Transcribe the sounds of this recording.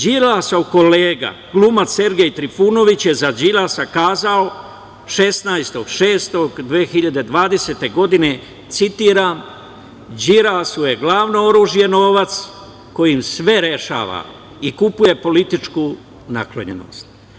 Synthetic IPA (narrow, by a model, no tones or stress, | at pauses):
d͡ʒiɾasauko̞leːɡa̰ɡ̥lumat̪se̞ɾɡe̞jt̪ɾifuːno̞ʋit͡ɕje̞zad͡ʑilaːsakaːzao | ʃe̞snajst̪o̞ɡʃe̞ːst̪o̞ɡd̪ʋeːxiʎad̪e̞d̪ʋaːd̪e̞seːt̪e̞ɡo̞d̪ine̞ | t̪sit̪iːɾam | d͡ʑiɾaːsuje̞ɡlaːʋnooɾuːʒije̞no̞ːʋat̪s | ko̞jimsʋe̞ɾe̞ʃa̰ːʋa̰ | ikupuje̞po̞lit̪it͡ʃkuː | na̰klo̰ɲḛno̰st̪̚